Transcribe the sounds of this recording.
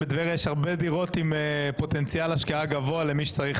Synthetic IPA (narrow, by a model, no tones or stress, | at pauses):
ed̪veʁjeʃhaʁbe̞diʁo̞t̪imepo̞t̪ent͡sjalaʃkiaɡavoale̞miʃe̥t͡saʁiχ